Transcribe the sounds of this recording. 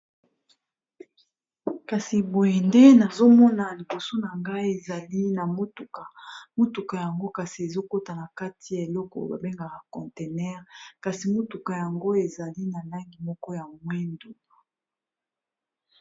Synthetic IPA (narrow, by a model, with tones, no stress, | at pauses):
ka˨si˨bo˨je˨nde˦na˨zo˦mɔ˦na˨li˨bo˨so˦na˨ŋɡa˦i˦e˨za˨li˦na˨mo˦tu˨ka˨mo˦tu˨ka˨ja˨ŋɡo˦ka˨si˨e˨zo˦ko˦ta˨na˨ka˦tʰi˨ja˨e˨lɔ˦kɔ̰˨ba̰˨be˦ŋɡa˨ka˨kɔ̃˨nte˨nɛ˦ʁka˨si˨mo˦tu˨ka˨ja˨ŋɡo˦e˨za˨li˦na˨la˦ŋɡi˨mɔ˦kɔ˦ja˨mwɛ˦ndu˨